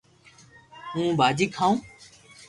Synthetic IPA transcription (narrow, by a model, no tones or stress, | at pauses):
ɦũːbaːd͡ʒiːkʰãːũː